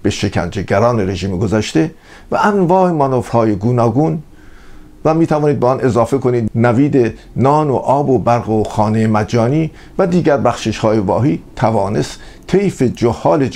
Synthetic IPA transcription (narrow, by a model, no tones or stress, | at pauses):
b̥eʃe̞cʰæ̰nd͡ʒeɟæɾɒːne̞ɾe̞ʒiːmɡozæʃt̪e | væʔænvɒːhemɒnofhɒːje̞ɡuːnɒːɡuːn | væmiːt̪ʰævɒːniːd̪beɔnʔe̞zɒːfe̞kʰo̞niːd̪næviːd̪e | nɒːnoʔɒːbobæɾɣoxɒːnejemæd͡ʒɒːniː | væd̪iːɟæɾbæxʃeʃhɒːjevɒːɦiːt̪ʰævɒːne̞st̪t̪ʰejfed͡ʒohːɒːle̞